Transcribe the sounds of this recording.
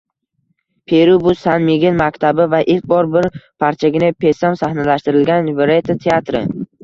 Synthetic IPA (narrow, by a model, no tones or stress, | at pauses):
pʰeɾubʊsanmiɡʲɪnmakʲt̪ʰabɪvaʔɪlk̚ʲbɒɾbɪɾpʰaɾt͡ʃʰaɡʲɪnɪpʰe̞samsahnalaʃt̪ɪɾɪlɡʲanveɾet̪ʰat̪ʰeat̪ɾɪ̰